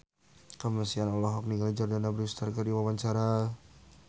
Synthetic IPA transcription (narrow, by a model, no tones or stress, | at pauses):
kəmərsianɔlɔɦɔk̚niɡald͡ʒardanabəɾust̪arkədiwawaɲt͡ʃaɾa